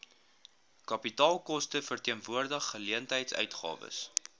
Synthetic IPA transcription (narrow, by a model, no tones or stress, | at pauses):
kɐpitɑːlˠkɔstəfərtiənvuərdəχːəliəntɦɛjtsœ̰ɥtχɑ̰ːvə̰s